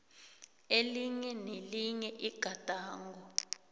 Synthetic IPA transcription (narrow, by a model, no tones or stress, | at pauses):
eliɲɛneliɲɛʔiɡ̥ʱad̥ʱaːŋɡɔ